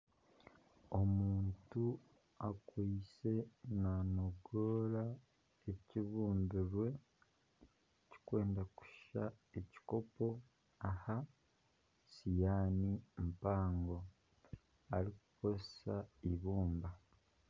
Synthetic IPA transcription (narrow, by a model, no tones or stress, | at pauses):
o̞muːntu | akwiːse̞nanoɡoːɾa | eciβuːnbuɾwe̞ | ci̥kwe̞ːndaku̥ʃʃa̰eci̥ko̞po̞ | aha | sijaːnimpaːŋɡo̞ | aɾikuko̞zesaiβuːmba